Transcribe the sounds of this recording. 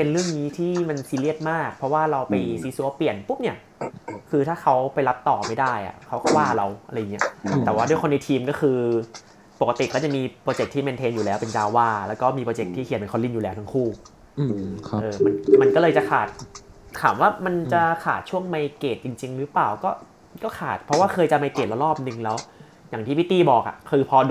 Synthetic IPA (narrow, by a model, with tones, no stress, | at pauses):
pe˧nɾɯ˥˩əŋniː˦˥t̪ʰiː˥˩ma˧nsiː˧li˥˩ət̪̚maː˥˩k̚pʰɾɔ˦˥waː˥˩ɾa˧wpa˧jsiː˨˦su˧˦pli˨˩ənpu˦˥p̚ni˥˩ɐ | kʰɯː˧t̪ʰaː˥˩kʰa˦˥wpa˧jla˦˥p̚t̪ɔː˨˩ma˥˩jdaː˥˩jʔa̰˨˩kʰa˦˥wkɔː˥˩waː˥˩˧ɾa˧wʔa˧ɾa˧jːŋː˩i˦˥ɐ˦t̪ɛː˨˩waː˥˩du˥˩jkxo˧nːa˧jt̪ʰiː˧mkɔː˥˩kʰɯː˧ | po˨˩k̚ːa˧t̪i˨˩kɔː˥˩t͡ɕa˨˩miː˧pɾɔː˧t͡ɕe˨˩k̚t̪ʰiː˥me˧nt̪ʰeː˧njuː˨˩lɛː˦˥wpe˧nt͡ɕaː˧wːaː˥˩lɛː˦˥wkɔː˥˩miː˧pɾoː˧t͡ɕe˨˩k̚t̪ʰiː˥˩kʰmpe˧kʰxo˧˥nli˥˩njuː˨˩lɛː˦˥wt̪ʰa˥ŋkʰuː˥˩ | ʔɤː˧ma˧nma˧nkɔ˥˩lɤː˧jt͡ɕa˨˩kʰaː˨˩t̪̚t̪ʰaː˩˦mwaː˥˩ma˧nt͡ɕa˨˩kʰaː˨˩t̪̚t͡ɕʰu˥˩əŋma˧jkeː˨˩t̪̚t͡ɕi˧ŋt͡ɕi˧ŋɾɯ˦˥paː˨˩wkɔː˥˩ | kɔː˥˩kʰa̰ː˨˩t̪̚pʰɾɔ˦˥waː˥˩kʰɤː˧jt͡ɕa˨ma˧jkeː˨˩t̪̚la˧˩lɔː˥˩p̚nɯ˨˩ŋlɛː˦˥w | ja˨˩ŋt̪ʰiː˥pʰi˦˥t̪ːiː˥˩bɔː˨˩k̚ʔa̰˨˩kʰɯː˧pʰɔ˧